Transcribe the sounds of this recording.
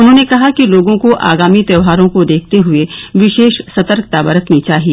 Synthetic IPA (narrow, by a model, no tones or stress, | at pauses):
ʊnɦõːnekɐɦakiloːɡõkoʔa̰ːɡaːmit̪ɛːʋɦaːɾõkod̪eːk̚ʰt̪eɦʊeʋɪʃeːʃsɐt̪əɾkt̪abɐɾət̪nit͡ʃaːɦieː